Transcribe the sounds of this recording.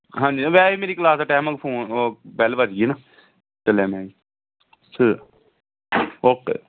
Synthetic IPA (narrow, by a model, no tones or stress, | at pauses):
ɦãːɲd͡ʒiːʋɛːimeːɾiːklaːsaʈɛːməkpʰoːnobɛlʋəd͡ʒɡiːnaː | t͡ʃəlẽːmɛ̃ːi | sʰə | oːk